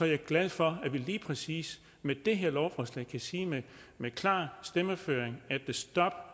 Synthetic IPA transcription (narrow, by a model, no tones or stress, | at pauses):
sɒ̽jɑ̈æɐɡ̥læð̞ˠfɒ̽æʋiliːpʰʁɛsḭːs | med̥e̝ɦeɐ̰lɒʊfɒslɛ̰ɪ̰kʰæsiːmemekʰlɑ̰̈ːsd̥eməføːeŋæd̥e̝sd̥ɒ̽b̥